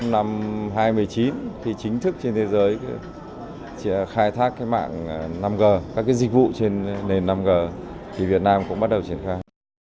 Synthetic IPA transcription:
na˧mɦaː˧jmɨ˨˩əjt͡ɕi˨˦nt̪ʰi˨˩t͡ɕï˨˦ŋ̟t̪ʰɨ˦˥k̚t͡ɕe˧nt̪ʰe˨˦zəː˨˦j | xaː˧jt̪ʰaː˦˥kkːaː˨˦jma̰ː˧˨ŋ˩na˧mɣəː˨˩kaː˦˥kaː˨˦jzi˨˩k̟̚vṵ˧˨t͡ɕe˧nːe˨˩nːa˧mɣəː˨˩t̪ʰi˨˩vi˨˩ət̚naː˧mkʊ̰˧˥ŋ͡mɓa˦˥t̚ɗə˨˩wt͡ɕi˧˩ənxaː˧j

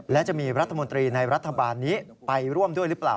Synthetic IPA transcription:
lɛː˦˥ʔt͡ɕaəmiːəɾŏ˧ət̪ʰːa˧mo˩nt̪riːnajɾŏ˧ət̪ʰːaː˧ɓaː˧nːi˦˥ʔ | pa˧jru˧˩əmɗu˧əjlɨ˦˥əp̚laː˨˩w

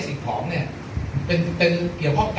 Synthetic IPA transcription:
si˨˩t̪ʰɔː˩˦˥ŋni˥˩ɐʔ | pe˧n˧t̪e˧ki˨˩əwkʰɔ˥˩k

